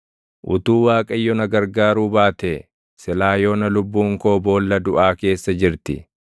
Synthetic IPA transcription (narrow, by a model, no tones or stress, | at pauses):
ʔʊ̰t̪uːwaːkʼɐjːɔnɐɡɐɾɡaːɾuːbaːt̪e | sɪlaːjo̞ːnɐlʊbːuːŋko̞ːbo̞ːlːɐd̪ʊʔaːke̞ːsːɐd͡ʒɪɾt̪ɪ̰